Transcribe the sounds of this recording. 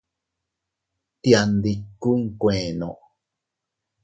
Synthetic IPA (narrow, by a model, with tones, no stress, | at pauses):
t̪ja˧nd̪i˧ku˦ŋ̩˨kʷẽː˨nõ̰˨ʔ